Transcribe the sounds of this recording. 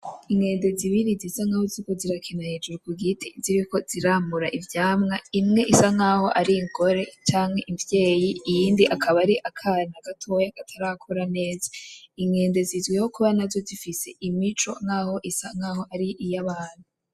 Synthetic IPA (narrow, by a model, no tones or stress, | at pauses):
iŋɡe̞ːnde̞ziβiɾizisaŋahoziiko̞ziɾakʰenaheːd͡ʒuɾukuɡitʰiziɾiko̞z̥iɾaːmuɾaʔivjaːmŋaimŋe̞ʔisaŋaːho̞ʔaɾiŋɡo̞ɾe̞t͡ʃaːŋhe̞ʔivje̞ːjiːjiːndiʔakʰaβaɾiʔakʰanaɡatʰo̞jakatʰaɾakʰoɾane̞ːzaiŋɡe̞ːnde̞zizɡwehokuβanazo̞zifise̞ʔimit͡ʃo̞ŋhaːho̞ʔisaŋaːho̞ʔaɾiʔijaβaːn̥u